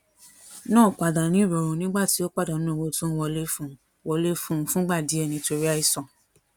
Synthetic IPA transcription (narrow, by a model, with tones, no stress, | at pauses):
nãː˦˨k͡pa˧da˨nĩ˨˦˨ɾɔ˨ɾũ˧nĩ˦ɡ͡ba˦˨ti˨˦o˦k͡pa˦˨da˨ñ˨˦ũ˦˨wo˧˦tũ˦wɔ˧le˦fũ˦˨˦ | wɔ˧le˦fũ˦˧fũ˦ɡ͡ba˦˨di˨˦ɛ˦˨nĩ˧˦to˧ɾi˦a˧i˦˨sɔ̃˨